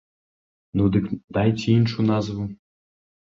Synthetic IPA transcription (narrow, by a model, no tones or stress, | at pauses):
nud̪ɨkd̪ajt͡sʲɛinʃunɑzvu